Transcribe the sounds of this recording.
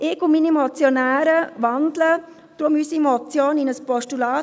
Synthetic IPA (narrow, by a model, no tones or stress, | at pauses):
ʔɪkʊminimot͡sjonæːɾəʋɑndlə | d̥ɾʊmysimɔt͡sjoːninəspɔʃtulɑː